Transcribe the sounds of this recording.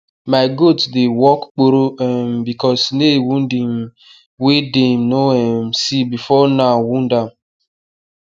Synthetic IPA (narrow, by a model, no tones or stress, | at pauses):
maɪɡodsdewɔkk͡poɾoɛmbikɔsnewun̩dim | wedem̩noɛm̩sibifɔnawun̩dam̩